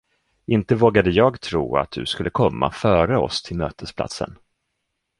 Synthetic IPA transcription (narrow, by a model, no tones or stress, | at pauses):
ɪnt̪əvoːɡad̪əjɑːɡt̪ʰɾṵːa̰t̪̚d̪ɵ̰skɵlːəkʰɔmːa̰fœːɾəɔ̰st̪ʰɪlmøːt̪ʰəspʰla̰t̪sə̰n